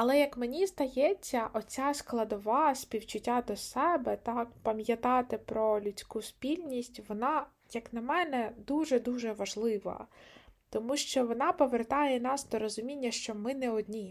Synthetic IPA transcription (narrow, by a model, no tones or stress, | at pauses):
ɐlˠɛjɐkmenʲizd̪ɐjɛt͡sʲːɐʔɔt͡sʲasklˠɐd̪ɔʋɑsʲpʲiwt͡ʃʊtʲːad̪ɔsɛbɛt̪ɑkpɐmʲjɐt̪ɑt̪ɪpɾɔlʲʊt͡sʲkuspʲilʲnʲisʲtʲʋɔnɑ | jɐknɐmɛnɛd̪uʒɛd̪uʒɛʋɐʒlˠɪʋɐ̰t̪ɔmuʃt͡ʃɔʋɔnɑpɔʋert̪ɑjɛnɑsd̪ɔɾɔzʊmʲinʲːɐʃt͡ʃɔmɪnɛɔd̪ʲnʲi